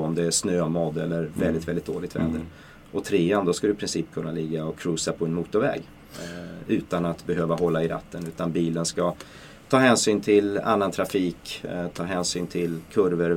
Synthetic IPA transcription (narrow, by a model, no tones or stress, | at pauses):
ɔmd̪ɛæʂnøːamɔd̪ɛlːəɾvɛld̪ɪt̪vɛlɪt̪̚d̪o̰ːlɪɡt̪vɛ̰ːd̪ə | ʔɔt̪ʰɾeːand̪ɔskad̪ʏɪpʰɾɪnsiːpkʰɵnːalɪɡːaɔkʰɾʉːsapʰɔɛnmuːt̪ʊɾvɛ̰ːɡ | ʉ̟ːt̪anat̪bɛɦøːvaɦɔlːaɪɾa̰t̪ʰːənʉ̟ːt̪anbiːlənska | t̪ʰɑːɦɛːnsyːnt̪ʰɪla̰nːant̪ʰɾafiːkt̪ʰɑːɦɛːnsyːnt̪ʰɪlkʰɵɾvəɾ